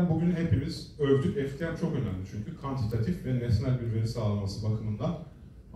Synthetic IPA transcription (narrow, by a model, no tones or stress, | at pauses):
nbuɟynɦe̞pimiz̥øɾd̪ycɛft̪ʰijat͡ʃʰo̞kø̞næmlʲit͡ʃʰyɲcʰykʰvant̪ʰit̪ʰat̪ʰifvɛnesnælʲbiɾve̞ɾisaːlˠamasɯbakʰɯmɯnd̪an